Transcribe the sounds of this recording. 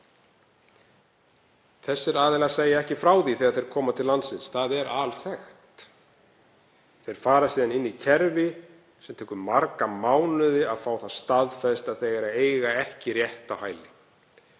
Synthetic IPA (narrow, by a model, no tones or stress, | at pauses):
θɛsːɪɾaːðɛlaseːjaɛhcɪfɾaːwθiθɛːɣaɾθejɾ̥kʰɔːmat̪ʰɪlːant̪sɪnsθaðɛɾʔalθɛxt̪ | θejɾ̥faːɾasiːðanɪnːicʰɛɾvɪ | sɛmt̪ʰɛːkʏːaɾkamaːwnʏðɪaðfaːwθaðst̪aðfɛst̪aðθɛɣaɾaeːjɣaɛhcɪrjɛht̪awhaːjlɪ